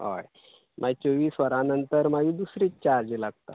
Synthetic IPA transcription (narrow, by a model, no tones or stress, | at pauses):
ɦo̰j | mʔat͡soʋiːsʋəɾanənt̪əɾmaɡiːd̪usɾit͡ɕaɾd͡ʑilaɡt̪a̰